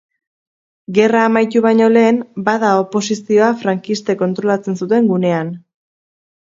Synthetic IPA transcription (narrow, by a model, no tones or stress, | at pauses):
ɡe̞raːmajt̪uβajɲo̞le̞ːmbað̞ao̞po̞sisio̞afɾaŋkist̪e̞ko̞nt̪ɾo̞lat͡se̞nsut̪e̞ŋɡune̞an